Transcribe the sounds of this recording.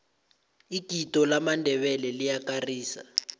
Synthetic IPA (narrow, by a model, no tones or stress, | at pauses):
ikitɔlamandʱɛβɛlɛlijakariːsa̰